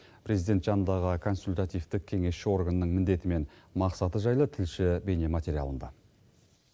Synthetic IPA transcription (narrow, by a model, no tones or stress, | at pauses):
pʰɾe̞zid̪e̞nt̪ʒɑnənd̪ɑʁəkʰo̞nsulʲt̪at̪ijft̪ɪk̚kʲʰe̞ŋe̞sʃɪo̞ɾɡannəɴmɪnd̪e̞t̪ɪme̞nmɑqsɑt̪əʒɑjlˠət̪ʰɪlʃɪbe̞ne̞mat̪ʲe̞ɾija̰lˠənd̪ɑ